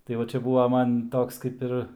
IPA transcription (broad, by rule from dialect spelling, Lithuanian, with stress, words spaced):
tɐɪ ˈʋɐ ˈt͡ʃʲɛ ˈbʊʋɐ ˈmɐn ˈtoːks kɐɪp ˈɪr